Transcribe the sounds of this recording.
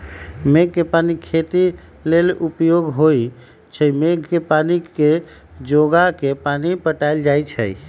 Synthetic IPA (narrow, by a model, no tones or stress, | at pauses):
meɡ̚kepanikʰet̪i | lelupjoɡɦoj | t͡ʃʰəjmeɡkepanike | d͡ʒoɡakepanipəʈaɪld͡ʒajt͡ʃʰə̰j